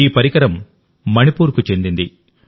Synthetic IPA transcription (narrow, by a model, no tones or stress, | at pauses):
iːpɐɾikɐɾɐmː | ɐnipuːɾkut͡ʃe̞nd̪ind̪i